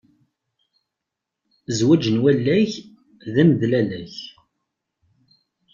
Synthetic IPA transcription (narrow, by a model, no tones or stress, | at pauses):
zwæd͡ʒənwælːæç | ðæməðlælæç